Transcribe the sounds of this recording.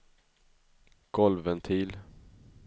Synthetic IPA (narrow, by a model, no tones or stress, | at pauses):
ɡ̥ɔlvənt̪ʰiːl